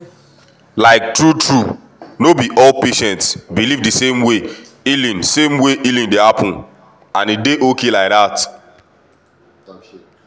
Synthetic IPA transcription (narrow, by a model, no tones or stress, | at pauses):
laɪk̚tɹutʰɹu | nobiʔɔlpeʃɛ̃ntsbilivdɨsẽmwe | ilĩnsẽmweʔilĩndehapʰʊ̃n | ãnideʔokelaɪk̚ðat